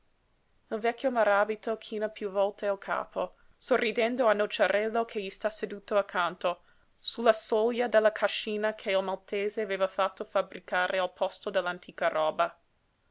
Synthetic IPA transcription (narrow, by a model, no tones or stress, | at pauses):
ilvɛkʰʲːjomaɾaːbit̪okʰiːnapjuvɔlt̪ealkʰa̰ːpʰo | sorːid̪ɛnd̪oanːot͡ʃaɾʔɛlːokʰeʎist̪ased̪uːt̪oakʰːant̪o | sulːasoljad̪elːakʰaʃːiːnakʰeilmalt̪eːzeaveːvafat̪ːofabɾikaːɾʔealpʰɔst̪od̪ɛlːant̪ʰiːkaɾɔːba